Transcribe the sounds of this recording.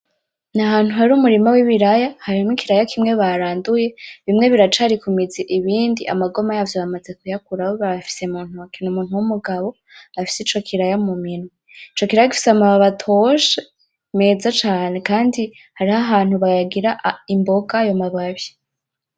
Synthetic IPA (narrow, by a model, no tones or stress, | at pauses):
naɦaːn̥huhaɾumuɾimawiβiɾajahaɾimŋikiɾajakʰimŋe̞βaɾaːnduje̞βimŋe̞βiɾat͡ʃaɾikumid͡ziʔiβiːndiʔa̰maɡo̞majavjoβamaze̞kujakuɾawoβaβfi̥se̞muːn̥uakinumuːn̥huwumuɡaβo̞ | afi̥sit͡ʃo̞kʰiɾajamumino | it͡ʃo̞kiɾajaki̥fi̥samaβaβatʰoʃe | me̞zat͡ʃaːne̞kaːndi | haɾiɦaɦaːn̥huβajaɡiɾaimbo̞ɡajomaβaβje̥